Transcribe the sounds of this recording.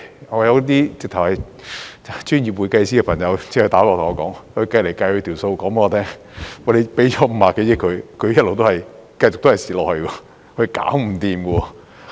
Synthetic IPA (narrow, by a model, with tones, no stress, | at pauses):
ŋɔː˨˧jɐ˧wt̪̬iː˥t͡sɪ˨k̚t̪ʰɐ˨˩whɐ˨j | t͡ʃyː˥njiː˨p̚wuː˨˧jkɐ˧jsi˥kɛ˧pʰɐ˨˩ŋjɐ˨˧wt͡sɛː˥kɵ˧t̪aː˨˥ɔː˧tʰŋːɔ˨˧kɔː˨˥ŋhɵ˧kɐ˧jle˨˩jkaː˧jhɵ˧t̪ʰi˨˩wso˧wkɔː˨˥ŋpe˥ɔː˧t̪ʰɛː˥ŋ | ɔ˨˧le˨˧pe˨˥jt͡ʃɔː˨˥m̩˨˧˥paː˨˩ke˨˥jɪ˥kʰːɵ˨˧kʰɵ˨˧ɥjɐ˥t̚lo˨wt̪o˥hɐ˨jkɐ˧jt͡sʊ˨k̪̚o˥ɐ˨jsiː˨˩lɔː˨k̚hɵ˧ɥkɛɔ˧ | kʰɵ˧ka̰ː˨˥wm̩˨˩t̪iː˨mɡə˧ɔ˧